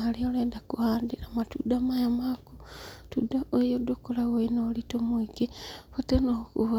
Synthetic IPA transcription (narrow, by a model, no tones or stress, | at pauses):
alioleːndakuhaːndiɾamatṵdamajamaːku̥tudaojodokolaɣoinolitomuikefatenokṵβa